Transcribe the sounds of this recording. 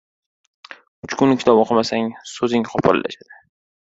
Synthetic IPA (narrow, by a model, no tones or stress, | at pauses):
ʊt͡ʃkʰʊnɪkʲɪ̥t̪ʰɒbɒqʰɑmasaŋsɵzɪŋqʰɒpʰɒla̰la̰ʃad̪̥ɪ